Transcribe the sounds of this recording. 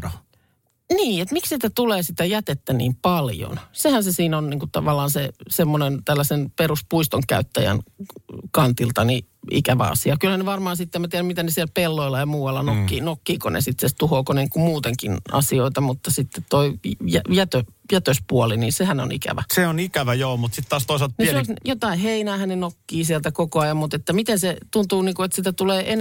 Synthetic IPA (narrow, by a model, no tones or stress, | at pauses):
niːet̪miksit̪æt̪uleːsit̪æjæt̪et̪ːænḭːmpɑljo̰nsehænsesiːnonniːŋkutt̪ɑ̰ʋɑlːˑɑːnsesemːonent̪ælːæsenperuspuist̪oŋkæ̰yt̪ːæjæ̰n | kɑnt̪ilt̪ɑniḭkæʋæ̰ɑ̰siɑkylhæneʋɑrmɑːnsit̪ːemæt̪iæɾæmit̪ænesiɛlpelːoilːˑɑjɑmuːwɑlːɑnokːinokːiːkonḛsit̪sest̪uhoːkoneŋkummuːt̪eŋkinɑ̰sioit̪ɑmut̪ːɑsit̪ːet̪t̪oijæjæt̪ø | jæt̪øspuɔliniːnsehæno̰nḭkæ̰ʋæ̰seonikæʋæjoːmut̪sit̪t̪ɑːst̪oiselt̪nesjot̪ɑiheinæːhænnenokːiːsiælt̪ækokoɑjɑmmut̪et̪ːæmit̪enset̪unt̪uːniːŋkuet̪sit̪æt̪uleːʔen